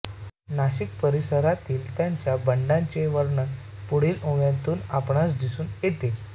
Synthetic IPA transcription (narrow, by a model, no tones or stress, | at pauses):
naɕik̚pəɾisəɾat̪iːlt̪jaɲt͡ɕjabəɳɖãɲt͡ɕeʋəɾɳə | puɽiːlõʋjãnt̪uːnapɳasd̪isuːnjet̪e